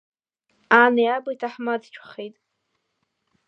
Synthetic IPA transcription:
anijabojtʰaħmadt͡ʃʷʰχejtʼ

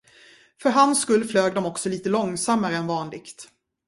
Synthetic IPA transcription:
fœɾɦanskɵlːfløːɡd̪ɔmɔksɔliːt̪əlɔŋsamːaɾəɛnvɑːnlɪkt̪

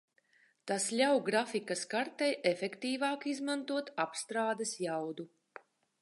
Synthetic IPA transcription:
t̪asʎʲawɡɾafikɐskaɾt̪ɛjʔefekt̪iːvaːkizmant̪uɔt̪apst̪ɾaːd̪esjawd̪u

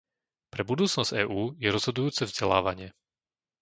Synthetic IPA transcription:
pɾɛbud̪uːt͡snɔz̥ɟ̥ɛːʔuːjɛɾɔz̥ɦɔd̪ujuːt͡sɛvzɟɛla̰ːʋaɲɪɛ

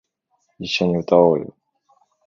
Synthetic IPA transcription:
iɕːoɲ̟iɯ̟t̪aoːjo̰

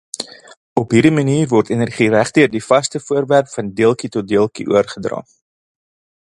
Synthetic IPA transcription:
ɔpɦiːɾdiməniːrvɔrtenərχiræχdøərdifɐstəfuərværpfɐndiəlˠkitɔt̚diəlˠkḭʔṵərχədrɑ̰ː

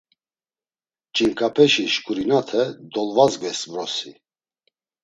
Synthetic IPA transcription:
t͡ʃʼiŋkʼapʰɛʃiʃkʼuɾinat̪ʰɛd̪ɔlvazɡɛsvɾɔsi

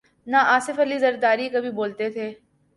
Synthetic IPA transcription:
naʔaːsɪfɐlizɐɾd̪aːɾikɐbʱiboːlt̪et̪ʰeː

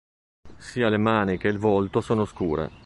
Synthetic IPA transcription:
siːalemaːnik̟eilvolt̪osoːnoskuːɾḛ

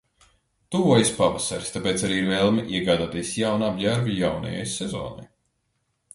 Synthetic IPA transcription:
t̪uvɔjspavasa̰ɾst̪apeːt̪saɾiːiɾvɛlˠmiʔiɛɡaːd̪aːt̪ijsjawnabʲjaɾvijawnɐ̰ja̰jsɛzo̰ːna̰j

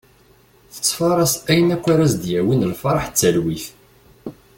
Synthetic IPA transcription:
θə̥t͡sːfɑɾˤɑsæjənækʷːaɾæzd̪jæwinəlfɑɾˤɑħt͡sːəlwiθ

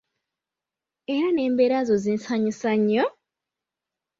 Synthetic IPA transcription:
e̞ɾane̞ːmbeɾazozinsaɲisaɲːo

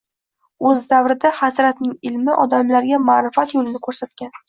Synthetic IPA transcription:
ɵzd̪avɾɪd̪ahasɾat̪nɪŋɪlmɪʔɒd̪amlaɾɡʲamaːɾɪfat̪jolɪnɪkʰɵɾsat̪̚kʲan

